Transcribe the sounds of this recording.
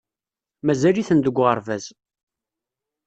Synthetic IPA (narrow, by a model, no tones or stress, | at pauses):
mæzæliθənd̪əɡʷːʁəɾˤvæz